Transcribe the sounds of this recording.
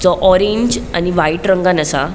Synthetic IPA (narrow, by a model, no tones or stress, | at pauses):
t͡sɔʔɔɾẽɲd͡ʑa̰niʋajʈɾəŋɡanəsa̰